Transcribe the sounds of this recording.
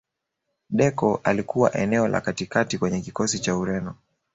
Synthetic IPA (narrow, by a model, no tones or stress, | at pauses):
ɗɛkɔʔalikuwaʔɛnɛɔla̰katikatikwɛɲɛkikɔsit͡ʃauɾɛnɔ